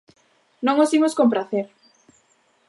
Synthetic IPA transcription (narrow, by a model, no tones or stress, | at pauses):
nõŋosimoskompɾaθeɾ